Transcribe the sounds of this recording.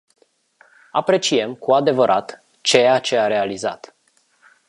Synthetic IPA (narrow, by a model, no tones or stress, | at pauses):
apɾe̞t͡ʃie̞mkuad̪e̞vəɾʔat̪ | t͡ʃe̞jat͡ʃe̞aɾe̞aliza̰t̪